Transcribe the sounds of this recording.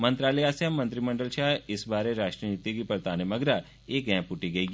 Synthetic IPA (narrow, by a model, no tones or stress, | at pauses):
mɐ̃nt̪ɾaːləjaːsjəmːɐ̃nt̪ɾimɐ̃ɳɖəlʃaːɦɪsbaːɾeɾaːʃʈɾəniːt̪ikipɐɾt̪aːnemɐɡɾa | eːkɛ̃ːpʊʈiɡɐi